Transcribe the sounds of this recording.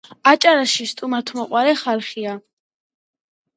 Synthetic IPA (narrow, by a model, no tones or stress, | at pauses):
at͡ʃʼaɾaʃist̪ʼumat̪ʰmɔqʼwaɾɛχalˠχia